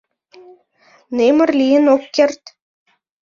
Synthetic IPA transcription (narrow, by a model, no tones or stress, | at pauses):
nemə̆rlijə̆nokːert̪